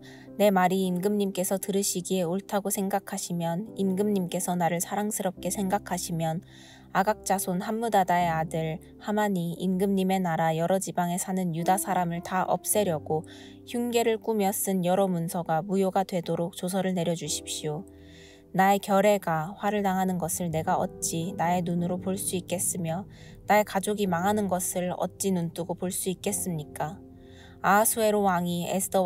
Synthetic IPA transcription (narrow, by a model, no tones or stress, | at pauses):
ne̞maɾiːnɡɯmɲimk͈e̞sʰʌtɯɾɯɕʰiɡie̞oɭtʰaɡosʰe̞ŋɡakʰaɕʰimjʌninɡɯmɲimk͈e̞sʰʌnaɾɯɭsʰaɾaŋsʰɯɾʌp̚k͈e̞sʰe̞ŋɡakʰaɕʰimjʌn | aɡak̚t͡ɕ͈asʰonhamːudadae̞adɯɭ | hamaɲiːnɡɯmɲime̞naɾajʌɾʌd͡ʑibaŋe̞sʰanɯnjudasʰaɾamɯɭtaʔʌ̰p̚s͈e̞ɾjʌɡ̥o | çuŋɡe̞ɾɯɭk͈umjʌs͈ɯnjʌɾʌmunsʰʌɡamujoɡadwe̞doɾok̚t͡ɕosʰʌɾɯɭne̞ɾjʌd͡ʑuɕʰi̥pɕio | nae̞kjʌɾe̞ɡaɸwaɾɯɭnaŋɦanɯnɡʌsʰɯɭne̞ɡaʌ̰t̚t͡ɕ͈inae̞nunɯɾopoɭs͈uik͈e̞s͈ɯmjʌ | nae̞kad͡ʑoɡimaŋɦanɯnɡʌsʰɯɭʌ̰t̚t͡ɕ͈inunt͈uɡopoɭs͈uik͈e̞s͈ɯmɲik͈a | asʰue̞ɾowaŋiḛsʰɯ̥tʰʌ